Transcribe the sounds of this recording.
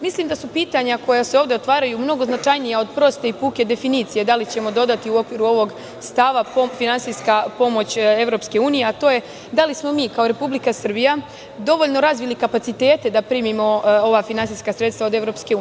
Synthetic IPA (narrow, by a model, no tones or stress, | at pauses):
misliːmd̪asupiːt̪aɲako̞jaseo̞ːvd̪eo̞t̪ʋaːɾajumno̞ɡo̞znat͡ʃajnijao̞d̪pɾo̞st̪e̞ipuːke̞d̪e̞finiːt̪sijed̪alit͡ɕe̞mo̞d̪o̞d̪at̪iuo̞kʋiːɾuo̞ʋo̞ɡ | st̪aʋafinansiskapo̞mo̞t͡ɕe̞ʋɾo̞pske̞uːnije̞at̪o̞ːje̞ | d̪alismo̞miːkao̞ɾe̞publikasr̩bija | d̪o̞ʋo̞ʎno̞ɾazʋilikapat̪sit̪e̞ːt̪e̞d̪apɾiːmimo̞o̞ʋafinansijskasɾe̞t̪st̪ao̞d̪e̞ʋɾo̞ːpskeu